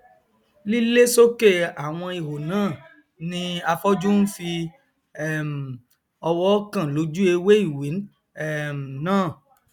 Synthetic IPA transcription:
li˦le˦so˦ke˦˨a˨w̃ɔ̃˧i˨ɦo˨nãː˦˨ | nĩ˧a˧fɔ˦d͡ʒu˦n̩˦fi˧ | ɛ˦˨m˨ | ɔ˧wɔ˦kã˦˨lo˨˦d͡ʒu˦e˧we˦i˦˨wi˨˦n | ɛ˦˨m˨nãː˦˨

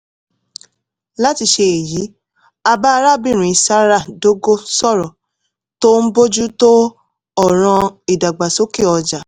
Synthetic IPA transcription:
la˦ti˧ʃe˧e˨ji˨˦ | a˧ba˦˧ɾa˦˨bĩ˦˨ɾ̃ũ˨i˨sa˦ɾa˦˨do˦ɡo˦sɔ˦˨ɾɔ̃˨ | to˦n̩˦bo˦d͡ʒu˦to˦ | ɔ˦˨ɾ̃ɔ̃˧i˨da˨ɡ͡ba˨so˨˦ki˦˨ɔ˧d͡ʒa˨

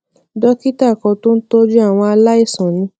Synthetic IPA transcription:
dɔ˦ki˦ta˦˨kɔ˧to˦n̩˦to˦d͡ʒu˦a˦˨w̃ɔ̃˧a˧la˦i˦˨sɔ̃˨nĩ˨˦

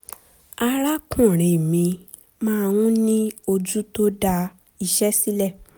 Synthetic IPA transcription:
a˧ɾa˦kũ˦˨ɾ̃ẽ˨mĩ˧ | mãː˦˧wũ˦nĩ˦o˧d͡ʒu˦to˦da˧ | i˧ʃɛ˦si˦lɛ˦˨

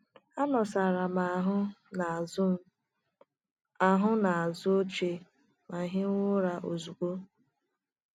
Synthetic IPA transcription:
a˦nɔ˨sa˨ɾa˨ma˨ɦʊ˦˨ | ʊ˦m̩˦ | a˨ɦʊ˦na˨a˨zʊ˦o˦t͡ʃe˨ | ma˨ɦɪ˦ŋʊ˦ɾa˨ʔo˨zu˨kʷo˦

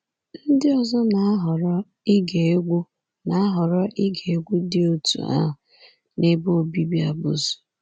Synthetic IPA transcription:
n̩˦dɪ˦ɔ˨zɔ˦na˨˦ɦɔ˨ɾɔ˦ | i˦ɡe˨˦ɡʷu˦ | na˨a˦ɦɔ˨ɾɔ˦ʔi˦ɡe˨e˦ɡʷu˦dɪ˦o˦tṵ˨a̰˦a˨ | ne˦bo˦o˨bi˦bi˦a˨bʊ̰˦zʊ̥˨

